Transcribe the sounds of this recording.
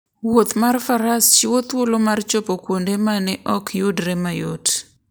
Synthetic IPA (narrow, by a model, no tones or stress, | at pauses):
wot̪marfaɾast͡ʃɪwot̪wolomart͡ʃopokwondemanɛʔɔkʰjodɾɛmajod